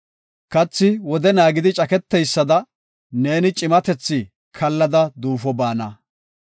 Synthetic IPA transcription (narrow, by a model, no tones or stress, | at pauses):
kɐt͡sːɪwɔd̪ɛnaːɡɪd̪ɪt͡ʃʼɐkɛt̪ːɛjsːɐd̪ɐ | ne̞ːnɪt͡ʃʼɪmɐt̪ɛt͡sːɪ | kʰɐlːɐd̪ɐd̪uːfɔbaːnɐ